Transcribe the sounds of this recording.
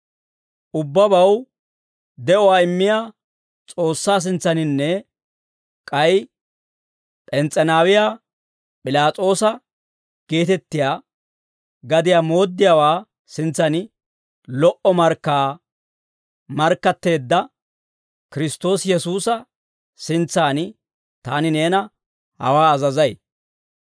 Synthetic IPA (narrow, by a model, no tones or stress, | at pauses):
ʔʊbːɐbɐw | d̪ɛʔɔwaːɪmːɪjaː | t͡sʼo̞ːsːaːs̬ɪnt͡sːɐnɪnːɛ | kʼɐj | pʼɛnt͡sʼːɛnaːwɪjaː | pʼɪlaːt͡sʼo̞ːsɐ | ɡ̥e̞ːt̪ɛt̪ːɪjaː | ɡɐd̪ɪjaːmo̞ːd̪ːɪjaːwaː | sɪnt͡sːɐnɪ | lɔʔɔmɐɾkːaː | mɐɾkːɐt̪ːe̞ːd̪ːɐ | kɪɾɪst̪o̞ːsjɛsuːsɐ | sɪnt͡sːaːnɪ | t̪aːnɪne̞ːnɐ | hɐ̰waːzɐzɐj